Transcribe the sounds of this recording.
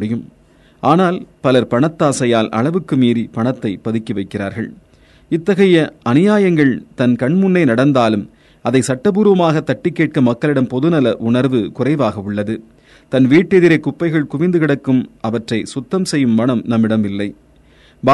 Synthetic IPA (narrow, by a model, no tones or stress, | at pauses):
ɽɪjɯm | ʔaːnaːlpɐlɐɾpɐɳɐt̪ːaːsɐjaːlʔɐ̰ɭɐʋɯkːɯmiːɾipɐɳɐt̪ːɐɪpɐðɪkːiʋɐɪkːɪra̰ːɾɣɐ̰ɭ | ɪt̪ːɐɣɐjɐɐnɪjaːjɐŋɡɐɭt̪ɐnkɐɳmʊnːɐɪnɐɽɐnd̪aːlɯm | ɐðɐɪsɐʈːɐpuːɾɯʋɐmaːɣɐt̪ːɐʈːɪkːeːʈ̚kɐmɐkːɐɭɪɽɐmpɔðɯnɐlɐʔʊɳɐɾʋɯkʊrɐɪʋaːɣɐʊɭːɐðɯ | t̪ɐnʋiːʈːɛðɪɾɐɪkːʊpːɐɪɣɐɭkʊʋɪnd̪ɯkɪɽɐkːɯmɐʋɐʈrɐɪsʊt̪ːɐmsɛjːɯmːɐɳɐmnɐmːɪɽɐmɪlːɐɪ | ba